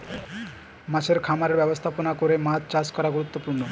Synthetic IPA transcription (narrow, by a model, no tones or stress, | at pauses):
mat͡ɕʰeɾkʰamaɾeɾbɛbost̪ʰaponakoɾemat̪t͡ɕaskɔɾaɡuɾut̪ːopuɾno